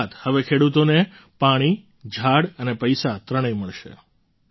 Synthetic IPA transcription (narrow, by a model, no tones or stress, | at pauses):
t̪həʋekʰeɽut̪one | paɽ̃i | d͡ʒʱaɽənepəjsat̪ɾəɽ̃əjməɭʃḛ